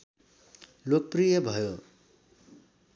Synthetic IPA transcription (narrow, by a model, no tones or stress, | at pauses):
lok̚prijʌbʱʌjo